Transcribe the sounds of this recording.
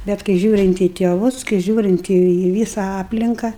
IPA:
bʲɛt kɐɪ ˈʒʲuːrʲɪnt iː tʲeːˈʋʊs kɐɪ ˈʒʲuːrʲɪnt iː iː ˈʋʲiːsɐ ˈɑːpʲlʲɪŋkɐ

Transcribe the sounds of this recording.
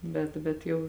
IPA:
ˈbʲɛt bʲɛt ˈjɛʊ

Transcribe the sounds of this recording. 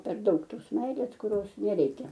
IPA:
pʲɛr ˈdɐʊk ˈtoːs ˈmʲɛɪlʲeːs kʊˈrʲoːs nʲɛˈrʲɛɪkʲɛ

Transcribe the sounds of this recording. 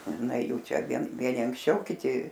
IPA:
ˈnɐ ˈjuː ˈt͡ʃʲɛ ˈʋʲiɛn ˈʋʲiɛnʲɪ ɐŋksʲˈt͡ʃʲɛʊ kʲɪˈtʲɪ

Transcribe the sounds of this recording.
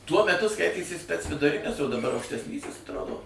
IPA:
tuɔ mʲɛˈtʊ ˈskɐɪtʲeːsʲɪ sʲpʲɛt͡s ʋʲɪdʊˈrʲɪnʲɪs oː dɐˈbɐr ɐʊkʃʲtʲɛsʲˈnʲiːsʲɪs ɐtˈroːdoː

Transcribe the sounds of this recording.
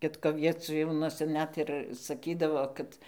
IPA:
ˈkʲɪtkoː ʋʲiɛˈt͡sʲuːnuɔsʲɛ ˈnʲɛt ɪr sɐˈkʲiːdɐʋoː ˈkɐt

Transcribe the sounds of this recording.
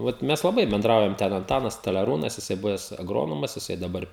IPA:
ˈʋɐt ˈmʲɛs lˠɐˈbɐɪ bʲɛnˈdrɐʊjɛm ˈtʲɛn ɐnˈtɑːnɐs stɐlʲɛˈruːnɐs jɪˈsɐɪ ˈbʊʋʲɛs ɐˈɡroːnoːmɐs jɪˈsɐɪ dɐˈbɐr

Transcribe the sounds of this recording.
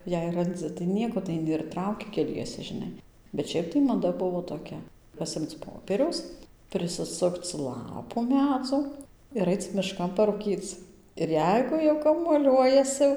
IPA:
jɛɪ rɐnˈd͡zɨ tɐɪ ˈnʲiɛkoː tɐɪ ɐɪˈnʲɪ ɪr ˈtrɐʊkʲɪ kʲɛˈlʲiɛsʲɛ ʒʲɪˈnɐɪ bʲɛt ˈʃʲɛɪp tɐɪ mɐˈdɐ ˈbʊʋoː toːˈkʲɛ pɐˈsʲɪmt͡s ˈpoːpʲiɛrʲɛʊs pʲrʲɪsʲɪˈsʊkt͡s ˈlˠɑːpʊ ˈmʲæːd͡zoː ɪr ˈɐɪt͡s mʲɪˈʃkɐn pɐruːˈkʲiːt͡s ɪr ˈjɛɪɡʊ jɛʊ kɐmuɔˈlʲuɔjɛsʲɪ

